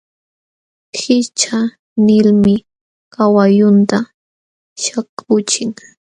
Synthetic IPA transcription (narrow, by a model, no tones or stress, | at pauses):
xɪt͡ʃa | nɪlmɪ | kawajʊnt̪a | ʃakʰʊt͡ʃɪŋ